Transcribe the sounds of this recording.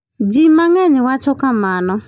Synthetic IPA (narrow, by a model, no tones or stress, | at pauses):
d͡ʒimaŋɛɲɪwat͡ʃʊkamanɔ